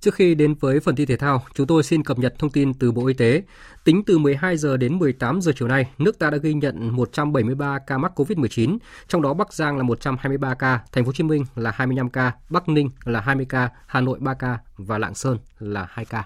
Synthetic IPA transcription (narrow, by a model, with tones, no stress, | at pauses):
t͡ɕɨ˦˥əkxi˧ɗe˨˦nvəː˨˦jfə˨˩nt̪i˧t̪ʰe˧˩t̪ʰaː˧wt͡ɕʊ˨˦ŋ͡mt̪o˧jsi˧nkə˨˩p̚ɲə˨˩t̚t̪ʰə˧wŋ͡mt̪i˧nt̪ɨ˨˩ɓo̰˧˨ʔi˧t̪e˨˦ | t̪ï˨˦ŋ̟t̪ɨ˨˩mɨ˨˩əjɦaː˧jzəː˨˩ɗe˨˦nmɨ˨˩əjt̪aː˨˦mzəː˨˩t͡ɕi˨˩əwna˧jnɨ˦˥ək̚t̪aː˧ɗa̰ː˧˥ɣi˧ɲə̰˧˨nmo˨˩t̚t͡ɕa˧mɓə˧˩jmɨ˧əjɓaː˧kaː˧ma˦˥t̚ko˧vi˦˥t̚mɨ˨˩əjt͡ɕi˨˦nt͡ɕɔ˧wŋ͡mɗɔ˨˦ɓa˦˥k̚zaː˧ŋlaː˨˩mo˨˩t̚t͡ɕa˧mhaː˧jmɨ˧jɓaː˧kaː˧t̪ʰŋ̟fo˨˦t͡ɕi˨˦mï˧ŋ̟laː˨˩haː˧jmɨ˧jna˧mkaː˧ɓa˦˥k̚nï˧ŋ̟laː˨˩ɦaː˧jmɨ˧əjkaː˧ | haː˨˩no̰˧˨jɓaː˧kaː˧vaː˨˩la̰ː˧˨ŋsəː˧nlaː˨˩haː˧jkaː˧